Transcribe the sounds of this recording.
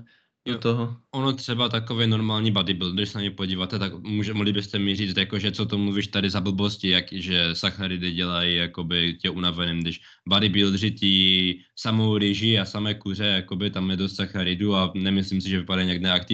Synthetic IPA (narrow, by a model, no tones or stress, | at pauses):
ot̪oɦɔonot̪r̥ɛbat̪akovɛnoɾmaːlɲiːbadɪbɪld̪dɪʃsɛnaɲɛpoɟiːvat̪ɛt̪akmuʒɛmoɦlibɪst̪ɛmiriːt͡st̪jakoʒɛt͡sot̪omluviːʃt̪adɪzabl̩boscijakʒɛsaxaɾɪd̪ɪɟɛlajijakobɪcɛunavɛnimd̪ɪʃ | badɪbɪld̪rɪt̪i | samowɾɪʒiasamɛːkurɛjakobɪt̪amjɛd̪ost̪saxaɾɪd̪uanɛmɪslimsɪʒɛvipadajiɲaɡnɛakt̪i